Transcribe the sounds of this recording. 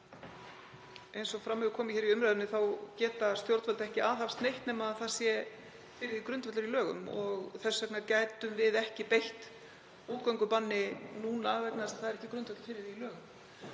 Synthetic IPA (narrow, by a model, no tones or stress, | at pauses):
ejnsɔɣfɾamːɛðʏkʰɔːmɪçɛɾiʏmɾajðʏnɪθawcɛːt̪ast̪jowɾt̪vɛlt̪ɛhcɪaːðhafst̪nejht̪nɛmaðθaðsjɛ | fɪːɾɪɾikɾʏnt̪vɛt̪lʏɾilœːɣʏ̰mɔɣθɛsːɛknaɾcaːjt̪ʏmvɪðɛhcɪpejht̪ | uːt̪kawŋkʏpanːɪnuːnavɛt̪nasḁθaðɾɛhcɪkɾʏnvɛt̪fɪːɾɪɾilœːɣʏm